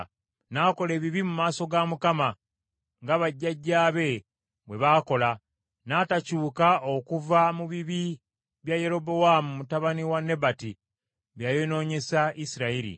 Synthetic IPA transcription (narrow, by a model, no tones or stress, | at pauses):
naːko̞le̞ːβiβimumaːso̞ɡamukama | ŋɡaβaɟːaɟːaːβe̞ | βwe̞βaːko̞la | naːtacuːkao̞kuvamuβiβi | βjaje̞ɾo̞bo̞wamumutaβaniwanːe̞bati | βjaje̞no̞ːɲe̞saʔisiɾaiɾḭ